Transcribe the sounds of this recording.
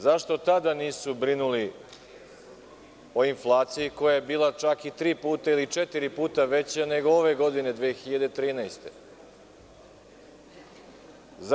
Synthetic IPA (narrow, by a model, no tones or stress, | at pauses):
zaʃt̪o̞t̪ad̪aniːsubɾinuli | o̞inflˠaːt̪sijiko̞jajebiːlat͡ʃakit̪ɾiːpuːt̪ailit͡ʃet̪iɾipuːt̪aʋe̞t͡ɕane̞ɡooʋe̞ɡo̞d̪ine̞d̪ʋeːxiʎad̪et̪ɾiːnajst̪e | z